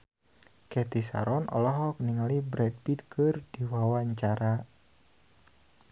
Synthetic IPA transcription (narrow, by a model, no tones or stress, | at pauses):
kɛt̪isa̰ɾɔnɔ̰lɔɦɔk̚niŋalibɾɛd̚pid̪̚kʰərd̥iwawaɲt͡ʃaɾa